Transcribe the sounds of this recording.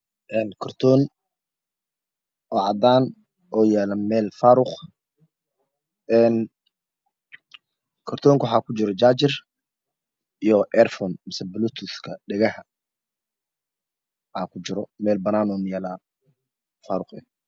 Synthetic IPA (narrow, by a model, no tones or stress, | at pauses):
ʔɛːnkʰɔrt̪ʰɔːn | ʔɔːʕɑd̪aːn | ʔɔːjɛːlɐmɛːlfaːɾʊχ | ɛːn | kʰɔrt̪ʰɔːŋkʰwħaːkʰʊt͡ʃɪɾɔd͡ʒaːt͡ʃɪr | ʔijɔʔɛrfɔːnmɪsɛbʊlut̪ʰʊskʰɐɖɛɣɐhɐ | ʔaːkʰʊt͡ʃɪɾɔmɛːlbɐnaːnɔːnjɛːlaːn | faːɾʊχɛ